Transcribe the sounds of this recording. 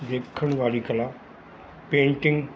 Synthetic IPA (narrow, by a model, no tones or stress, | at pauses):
d̪eːkʰəɽ̃ʋaːɾiːkɐla | pẽːɳʈɪ̃ŋɡ